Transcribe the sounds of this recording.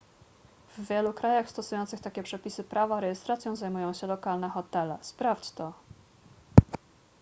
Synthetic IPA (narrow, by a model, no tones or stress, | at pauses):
vːʲjɛlukɾajaxst̪ɔsujɔnt̪sɘxt̪akʲɛpʂɛpʲisɘpɾavaɾɛjɛst̪ɾat̪sʲjɔ̃w̃zajmujɔ̃w̃ɕɛlɔkalnɛxɔt̪ɛlɛspɾaft͡ɕt̪ɔ